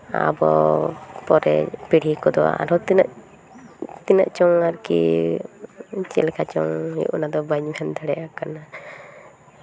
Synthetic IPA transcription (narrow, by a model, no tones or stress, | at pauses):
a̰bɔ | pɔɾɛpiɽ̤ikɔd̪ɔa̰a̰ɾɔt̪inaʔ | t̪ina̰ʔt͡ʃɔŋaɾkḭ | t͡ʃɛlɛkʰat͡ʃɔ̰ŋḭʔunad̪ɔbaɲbʰʱɛnt̪ʰaɽɛʔakana